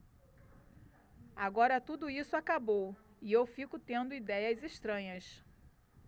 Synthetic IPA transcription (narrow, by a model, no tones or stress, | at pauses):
aɡɔɾɐt̪ud̪ʊisʊakabow | iewfikʊt̪ẽnd̪ʊid̪ɛjɐzeʃt̪ɾɐ̃ɲɐs